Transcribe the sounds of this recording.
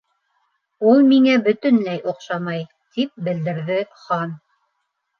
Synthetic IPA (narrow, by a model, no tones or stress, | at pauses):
ulˠmiŋæbɵ̆t̪ɵ̆nlæjʔoqʃɑmɑj | t̪ip̚bɘ̆ld̪ɘ̆ɾðɘχɑn